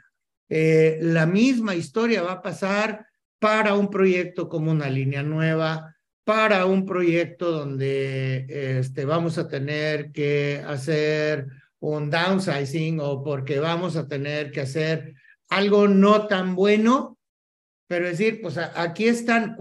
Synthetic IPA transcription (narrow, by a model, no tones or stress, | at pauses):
elamizmaist̪o̞ɾjaβapasaɾ | paɾaumpɾo̞ʝe̞k̚t̪o̞ko̞mounalinjanwe̞β̞a | paɾaumpɾo̞ʝe̞k̚t̪o̞ðo̞nd̪e̞est̪e̞βamo̞sat̪e̞neɾkeaseɾ | und̪awnsajsiŋɡo̞po̞ɾke̞βamo̞s̬at̪e̞neɾke̞aseɾ | alɣo̞no̞t̪ambwe̞no̞ | pe̞ɾoðes̬iɾpwesaʔakie̞st̪aŋ